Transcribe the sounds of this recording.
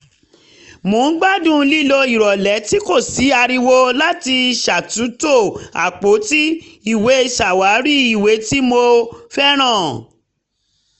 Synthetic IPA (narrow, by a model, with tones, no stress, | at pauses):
mũː˨˦ɡ͡ba˦dũ˦˨˧li˦lo˧i˨ɾɔ˨lɛ˨˦ti˦ko˦˨si˨˦a˧ɾi˧wo˦la˦ti˧˨ʃa˨tũ˨˦to˦˨a̰˨k͡po˨˦ti˦i˦˨we˨˦˧ʃa˨wa˨˦ɾi˦i˦˨we˨˦ti˦mo˧fɛ˦ɾ̃ã˦˨